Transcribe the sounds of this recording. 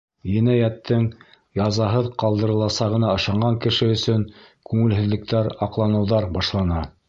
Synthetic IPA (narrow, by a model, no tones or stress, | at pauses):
jɘ̆næjæt̪ːɘŋ | jɑzɑɦɤðqɑlˠd̪ɤ̆ɾɤ̆lˠɑsɑʁɤ̆nɑɤ̆ʃɑɴɢɑŋkɘ̆ʃɘɵ̆sɵŋkʉŋɘ̆lɦɘ̆ðlɘ̆k̚t̪æɾɑqlˠɑnɤ̆wðɑɾbɑʃlˠɑnɑ